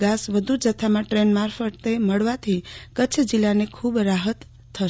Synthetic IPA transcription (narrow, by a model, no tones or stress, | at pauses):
ɡasʋəd̪ʱud͡ʒət̪ʰamãʈɾenmaɾpʰəʈt̪eməɽʋat̪ʰikət͡ʃʰəd͡ʒilːanekʰubɾaɦət̪ʰː | ə